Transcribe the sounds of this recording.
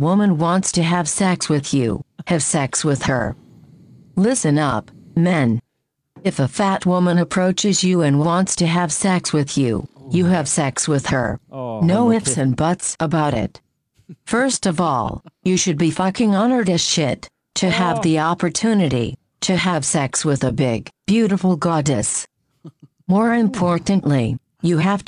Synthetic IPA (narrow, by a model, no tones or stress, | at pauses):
wʊmə̃nwɑ̃ntstʰɨɨv̥sɛkswɨðjʉ̰hɨv̥sɛkswɪð̥ə̰˞ | lɪsɨ̃nʌpmɛ̃n | ɨfəfæt̚wʊmə̃nɨpʰɹ̥oʊt͡ʃɨzjɨɨ̃nwwɑ̃ntstʰɨɨv̥sɛkswɨðjʉ̰jɨːv̥sɛkswɪð̥ə̰˞noʊɪfsɨ̃nbʌtsəbaʊɾɪ̰t̚ | fɜ˞stʌvɔ̰lˠjɨʃɨd̚bifʌkɪ̃ŋɑnə˞ɾɨ̥ʃɪtʰ | ɨəvðiɑpə˞tʰʉnɨɾḭ | ɾɨəv̥sɛkswɪðɨbɪɡb̥jʉɾəfl̩ˠɡɑdɨs | mɔɹɪ̃mpʰɔɹʔn̩ʔli | jɨɦæf